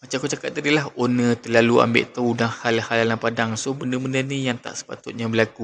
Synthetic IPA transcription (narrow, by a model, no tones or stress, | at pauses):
mat͡ʃakot͡ʃakat̪̚t̪adilaɦonət̪əlalua̰mbɪ̰ʔt̪əudanhalhalanapadaŋsobəndəməndənijaŋt̪a̰ʔsə̥pa̰t̪ʊt̪̚ɲabəlaku